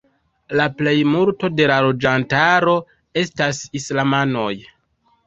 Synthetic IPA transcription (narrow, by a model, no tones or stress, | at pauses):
laple̞jmulto̞de̞lalo̞d͡ʒantaɾo̞ | e̞stasislamano̞j